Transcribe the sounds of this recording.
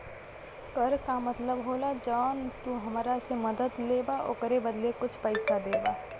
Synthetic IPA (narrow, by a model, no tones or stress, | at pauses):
pəɾkamɐt̪ləbɦoːlad͡ʒaːnt̪uɦɐmɾasemɐd̪əd̪leːbaʔo̰kəɾebəd̪lekʊt͡ʃʰpəɪsad̪eːbaː